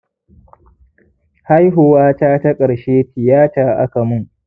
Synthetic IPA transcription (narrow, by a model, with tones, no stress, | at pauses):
ha˦jɦʊ˨waː˦taː˦ta˦kʼɐ˨ɽʃeː˦ɸɪ˨jaː˦t͡ʃaː˦ʔa̰˦ka˨mʊ˦ŋ